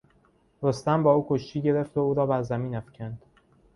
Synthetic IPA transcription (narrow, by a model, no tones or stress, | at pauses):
ɾost̪æmbɒːuːkʰoʃt̪iːɟe̞ɾe̞ft̪ouːɾɒːbæɾzæmiːnæfcʲʰænd̪̥